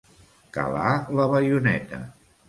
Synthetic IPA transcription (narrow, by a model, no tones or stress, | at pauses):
kə̰laləβəjunɛt̪ə̰